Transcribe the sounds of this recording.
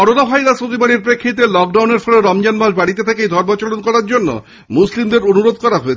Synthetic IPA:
ɔɽonafajɾasot̪ibaɽiɾpɾekʰːit̪elɔk̚ɖawneɾfʰɔleɾɔmd͡ʑanmaʃbaɽit̪̬et̪ʰekejd̪ʱɔɾmat͡ɕolonkɔɾaɾd͡ʑonːo̰ | muslimd̪eɾonuɾod̪ʱkɔɾaɦoet͡ɕʰ

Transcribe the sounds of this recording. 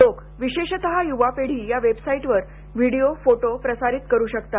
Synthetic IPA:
lok | ʋiɕeɕt̪əɦajuʋapeɽ̤iːjaʋebsaiʈʋəɾ | ʋiɽiofoʈopɾəsaɾiːt̪kəɾuːɕəkt̪a

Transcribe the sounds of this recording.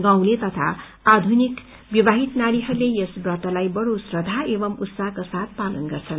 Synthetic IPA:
ɡãw̃let̪ʌt̪ʰa̰ː | d̪ʱunik | bibaɦit̪naɽiɦʌrlejʌsbwaʈʌlajbʌɽosrʌd̪ʱaebʌmut̪saɦkosat̪̚ʰpalunɡʌrt͡sʰʌn

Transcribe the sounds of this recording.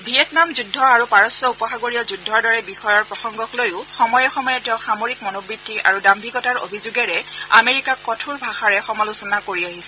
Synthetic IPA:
bʱiɛtnamzudʱːɔaɹupaɹɔsɔupɔxaɡoɹiɔzudʱːɔɹdɔɹɛbixɔjɔɹpɹɔxɔŋɡɔklojʊxɔmɔjɛxɔmɔjɛtɛ̃xamoɹikmɔnɔbɹitːiʔa̰ɹudambʱiɡɔtaɹo̰bʱizuɡɛɹɛa̰meɹikakɔtʰuɹbʱaxaɹɛxɔmalusɔnakoɹiaɦisɛ

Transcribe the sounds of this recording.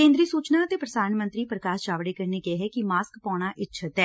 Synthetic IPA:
kẽːnd̪ɾiːsuːt͡ʃnaːət̪eːpɾəd̪aːnmənt̪ɾiːpɾəkaːst͡ʃaːʋɽeːkəɾneːɡeːɦɛːkɪmaːskpaːɽ̃aːʔɪtːʃʰət̪ɛː

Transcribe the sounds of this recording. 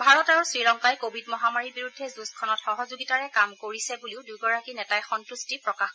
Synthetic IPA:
bʱaɹɔtaɹsɹiɹɔŋkajkobʱidmɔɦamaɹibiɹudʱːɛzuskʰɔnɔtxɔɦɔzuɡitaɹɛkamkoɹisɛbuliʊdujɡɔɹakinɛtajxɔntustipɹɔkax

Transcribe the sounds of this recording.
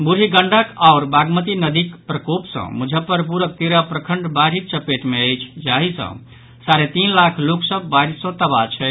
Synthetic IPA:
buɾiɡəɳɖəkaʊɾbaɡmət̪inəd̪ikpɾəkopsə̰̃mud͡ʒʱəpəɾpuɾək̚t̪eɾapɾəkʰəɳɖbaɽ̤ik̚t͡ʃəpeʈmeəjt͡ʃʰd͡ʒaɦisə̰̃ | saɾet̪inlakʰloksəbːaɾisə̃t̪əbat͡ʃʰɛ

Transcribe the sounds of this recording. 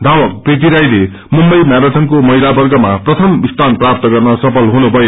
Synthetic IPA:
d̪ʱawʌk̚pret̪̬iɾajle | mumbʌjmjaɾaʈʰʌnkomʌilabʌrɡʌmaprʌt̪ʰʌmbist̪ʰanprap̚t̪ʌɡʌrnʌsʌpʰʌlɦunubʱʌe

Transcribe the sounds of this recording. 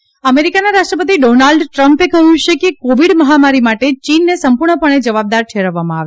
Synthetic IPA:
əmeɾikanaɾaʃʈɾəpət̪iɖonalɖʈɾəmpekəɦjũt͡ʃekekoʋiɽməɦamaɾimaʈet͡ʃinːesəmpuɾɳəpəɳ̃ed͡ʒəʋab̚d̪aɾtʰeɾəʋːamãaʋe

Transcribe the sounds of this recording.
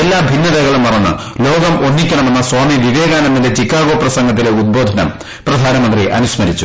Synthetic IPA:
elːaːmbʱinːɐðɐɣɐɭumʋɐrɐnːɨ̰ | lo̞ːɡɐmʔo̞nːikʲːɐɳɐme̞nːɐswaːmiʋiʋeːɣaːnɐmːindet͡ɕikːaːɣo̞ːprɐsɐŋɡɐt̪̬ːileud̪̚bo̞ːd̪ʱɐnɐ̰m | prɐd̪ʱaːnɐmɐnt̪riʔɐ̰nusmɐɾit͡ɕːu

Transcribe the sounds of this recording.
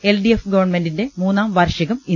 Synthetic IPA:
elɖiefɡɐʋɐrɳmendinde̞muːnːaːmʋɐrʂɐɣɐmi

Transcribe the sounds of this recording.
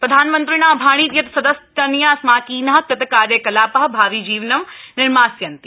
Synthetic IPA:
pɾɐd̪ʱaːnmɐ̃nt̪ɾinaːbʱaːɽ̃iːt̪jɐt̪sɐd̪ɐst̪ɐnjaːsmaːkiːnaɦɐt̪ɐt̪ɐkaːɾjɐkɐlaːpɐɦbʱaːʋid͡ʒiːʋnɐʋnɪɾmaːsjɐnt̪i̥

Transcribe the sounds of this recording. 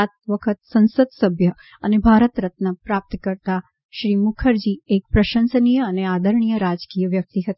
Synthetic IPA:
at̪̚ʋəkʰət̪sə̃nsəd̪səbʱjə | ənebʱaɾət̪ɾət̪nəpɾap̚t̪kəɾt̪a | ʃɾimukʰəɾd͡ʒiek̚pɾəʃə̃nsənijəːnead̪ʱəɾɳ̃ijəɾad͡ʒkijəʋjək̚t̪iɦət̪i

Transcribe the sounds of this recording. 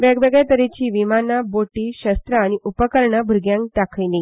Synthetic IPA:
ʋeɡʋeɡat̪əɾet͡ɕiːʋimanaboʈiːɕəst̪ɾəañiʔupəkəɾɳəbʱuɾɡjãŋk̚ʈakʰəjli

